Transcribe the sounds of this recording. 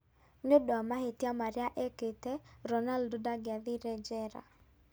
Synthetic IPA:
ɲodamahetjamaɾjaʔɛketɛɾɔnaldudaɡɪaðɪɾɛd͡ʒɛɾa̰

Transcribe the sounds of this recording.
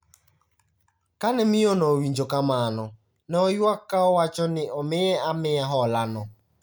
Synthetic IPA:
kanɪmijonowin̩d͡ʒokamaanʊ | nɔjʊakaɔwat͡ʃɔnɪɔmɪeamɪjaɦɔlanʊ

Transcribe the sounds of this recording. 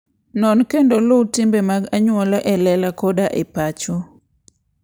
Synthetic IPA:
nɔnkendolʊtɪmbemaɡaɲwɔlaʔɛlɛlakodaʔɪpat͡ʃo

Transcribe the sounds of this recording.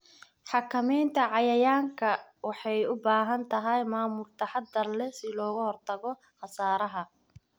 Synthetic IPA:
ħɑkʰɐmɛjnt̪ʰɐʕɑjɐjaːŋkʰɐwɑħɑjʊbaːɦɐnt̪ʰɐɦɐjmaːmʊlt̪ʰɐħɑd̪ɐrlɛsɪlɔːɣʊhɔrt̪ʰɐɣɔ | χɑsaːɾɐɦɐ

